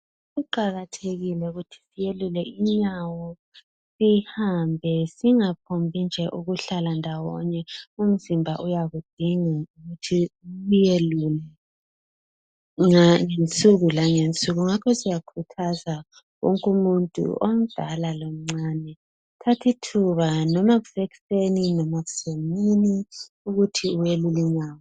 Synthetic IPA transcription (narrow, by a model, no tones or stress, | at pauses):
ɣuǃaɣatʰeɣilɛuɣutʰi̥sijelulɛiɲawɔ | sihambʱɛsiŋapʰombʱind͡ʒʱɛʔuɣuɬalandʱawɔ̰ɲɛum̩zimbʱaʔujaɣud̥ʱiŋauɣutʰiɣujelulɛ | ŋaŋent͡sʼuɣulaŋent͡sʼuɣuŋakʰɔsijakʰutʰaza | wo̰ŋkʼumuntʼṵʔom̩d̥ʱalalom̩ŋ͡ǀanɛ | tʰatʰitʰuβanɔmaɣu̥seɣi̥seninɔmaɣuz̥emini | uɣutʰiuweluliɲaːwɔ